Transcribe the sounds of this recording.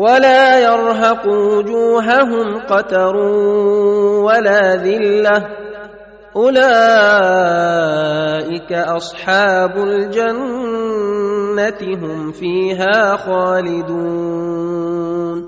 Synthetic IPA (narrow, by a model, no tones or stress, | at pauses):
walaːjɑɾˤɦɑqʊwʊd͡ʒuːɦaɦʊmqɑt̪ɑɾˤu | walaːðɪlːah | ʔʊlaː | ʔɪkaʔɑsˤħɑːbʊld͡ʒan | at̪ɪɦʊmfiːɦaːxaːlɪd̪uː | n